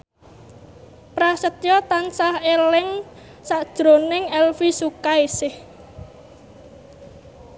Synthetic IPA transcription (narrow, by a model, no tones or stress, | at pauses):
pɾasət̪jɔt̪ansahelɪŋ | saʔd̥ʒ̥ɾonɪŋɛlfisukaesɪh